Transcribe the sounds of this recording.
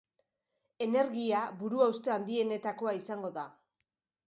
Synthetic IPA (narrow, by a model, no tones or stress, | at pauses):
e̞ne̞ɾɣiaβuɾuawst̪e̞and̪ie̞ne̞t̪ako̞aisaŋɡo̞ða